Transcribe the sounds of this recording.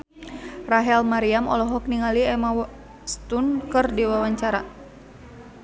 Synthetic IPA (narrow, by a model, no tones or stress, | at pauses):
raɦɛlmaɾiamɔ̰lɔɦɔk̚niŋaliɛma | st̪unkɨrdiwawaɲt͡ʃaɾa̰